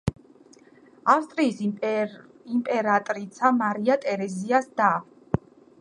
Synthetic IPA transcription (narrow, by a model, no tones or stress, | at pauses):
afst̪ʼɾiːs | impʼɛɾat̪ʼɾit̪sʰamaɾiat̪ʼɛɾɛziasd̪a